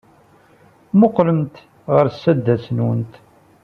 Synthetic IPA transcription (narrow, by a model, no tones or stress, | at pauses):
mʊqːləmt̪ | ʁəɾsːæd̪ːæsnwə̰nt̪